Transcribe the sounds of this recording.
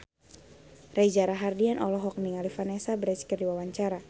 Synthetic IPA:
raid͡ʒaɾaɦardianʔɔlɔɦɔk̚niŋalifanɛsabəɾɛskirdiwawaɲt͡ʃaɾa

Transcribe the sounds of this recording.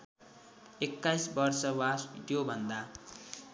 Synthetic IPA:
ekːajsbʌrsʌwasʈjobʱʌnd̪a

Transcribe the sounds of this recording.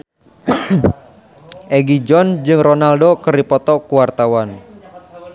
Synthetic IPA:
ʔɛɡid͡ʒɔnd͡ʒɨŋronaldokərdipɔt̪ɔkuwart̪awan

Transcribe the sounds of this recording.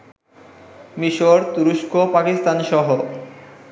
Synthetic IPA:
miʃoɾt̪uɾuʃkopakist̪anʃɔɦo

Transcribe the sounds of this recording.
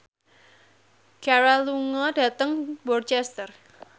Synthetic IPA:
kaɾaluŋɔd̥a̤t̪əŋbɔrt͡ʃɛst̪ər

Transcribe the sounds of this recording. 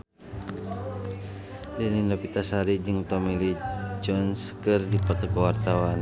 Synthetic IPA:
dəninɔpit̪asaɾid͡ʒɨŋt̪ɔmilid͡ʒɔnskɨrdipɔt̪ɔkɔwart̪awan

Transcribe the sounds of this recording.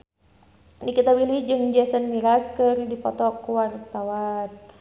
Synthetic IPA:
nikit̪awilid͡ʒɨŋd͡ʒasənmiɾaskərdipɔt̪ɔkuwart̪awan

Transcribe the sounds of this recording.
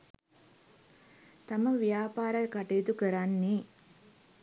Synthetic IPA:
t̪aməʋijaːpaːɾəjkaʈejːt̪ukəɾanːi

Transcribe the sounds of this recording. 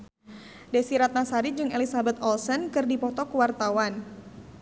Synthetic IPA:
desiɾat̪̚nasaɾid͡ʒɨŋelisabɛt̪ɔlsənkɨrdipɔt̪ɔkuwart̪awan

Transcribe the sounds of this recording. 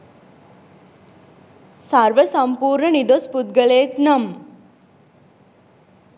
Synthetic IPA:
saɾʋəsɐmpuːɾɳənid̪ospud̪̚ɡəleːknɐm

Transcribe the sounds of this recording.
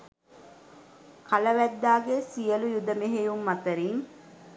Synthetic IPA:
kʰɐlɐʋæd̪ːaːɡesijɐlujud̪ɐmeɦejumːɐt̪ɐɾiŋ

